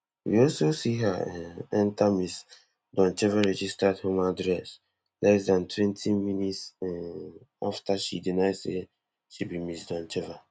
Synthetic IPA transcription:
wḭɔlsosiɦaɛɛ̃ntamis | dɔ̃nt͡ʃɛvaɹɛd͡ʒistadhomadɹɛs | lʔɛsdãntʰwɛ̃ntʰiminitsɛ | a̰ftaʃidinaɪse | ʃibimisdɔ̃nt͡ʃɛva

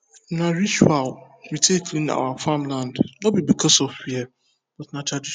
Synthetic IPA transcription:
nãɾit͡ʃual | mitʰekʰlĩna̰wafãmlãndnɔbibikʰɔsɔfiɛ | b̥ɔtnãtʰɾadi

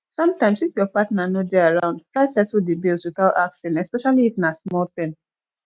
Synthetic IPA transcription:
sʌ̃mtãɪ̃mswikjɔpatnanodeaɹãʊ̃ndtɹaɪsɛtudibilˠswiθataksɛ̃nɛspɛʃaliːtnasmɔltɪ̃n

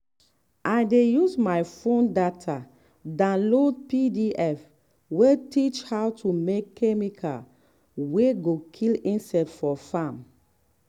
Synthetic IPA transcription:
ʔajdejusmajfõndatʰa | dãlod̚pidiʔɛf | wetit͡ʃhawtʰumekʰːɛmikʰa̰ | weɡokʰilĩnsɛtfɔfãm

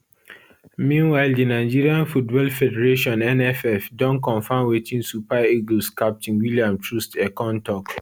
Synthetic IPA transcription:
mĩnwaɪldinaɪd͡ʒiɹiãnfutbɔlfɛdɛɹeʃɔ̃nɛnɛfɛfdɔ̃nkɔ̃nfãmwetʰĩnsupaeɡlskap̚tĩnwiliãmtʰɹustɛkɔ̃ntɔk

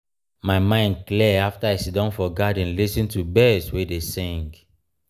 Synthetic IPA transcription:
maɪmãɪ̃nd̚kliɛaftaisidɔ̃nfɔɡadĩnlisĩntubɛswedesĩŋɡ

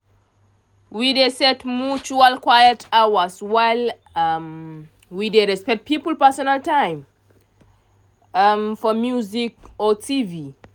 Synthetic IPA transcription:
widesɛtmut͡ʃualkʰwajətʰawəswaɪl | m | wideɹɛspɛk̚t̚pipəlpɛsɔnaltãj̃m | mfɔmjuzikɔtʰivi

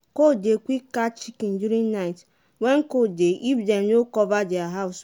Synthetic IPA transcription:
kodekʷikːat͡ʃikin̩duɾĩŋnaɪt | weŋ̩kodeʔifdenokɔvadɪaɦaʊs

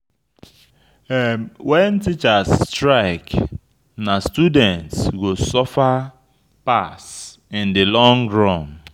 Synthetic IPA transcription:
wɛntit͡ʃastɾaɪk | nastudɛ̃ntsɡosɔfa | pas | ɪ̃ndɪlɔ̃ŋɹɔ̃m

